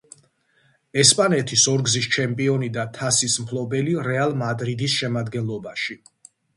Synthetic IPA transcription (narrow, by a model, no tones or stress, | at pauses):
ɛspʼanɛt̪ʰisɔɾɡzist͡ʃʰɛmpʼiɔnid̪at̪ʰasismpʰlˠɔbɛliɾɛalˠmad̪ɾid̪isʃɛmad̪ɡɛnlˠɔbaʃi